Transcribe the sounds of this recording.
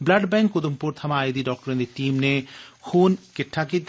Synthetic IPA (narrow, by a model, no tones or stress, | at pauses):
blɐɖbɛ̃ːŋkːʊd̪ʊmpʊɾt̪ʰɐmãːed̪iɖɔːk̚ʈəɾẽnd̪iʈiːmnexuːnkɪʈʰːakit̪